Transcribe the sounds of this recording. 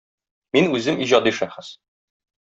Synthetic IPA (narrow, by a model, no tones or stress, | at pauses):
minʉzɘmiʑɒd̪iʃæχɘs